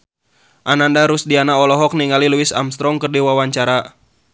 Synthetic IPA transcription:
ʔanandaɾusdianaɔlɔɦɔk̚niŋaliluɪsa̰mst̪ɾɔŋkərdiwawaɲt͡ʃaɾa

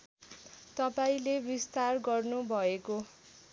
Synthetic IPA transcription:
t̪ʌpaĩlebist̪arɡʌrnubʱʌeko

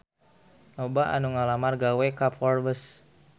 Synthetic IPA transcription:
nobaʔa̰nuŋalamarɡawekapɔrbəs

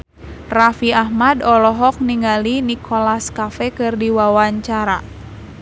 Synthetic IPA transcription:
rafiahmadɔlɔɦɔk̚niŋalinikʰɔlaskafɛkɨrdiwawaɲt͡ʃaɾa̰

